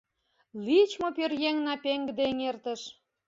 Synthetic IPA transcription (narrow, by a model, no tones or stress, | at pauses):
lit͡ɕmopørjeŋnɑpeŋɡd̪eŋert̪ə̆ʃ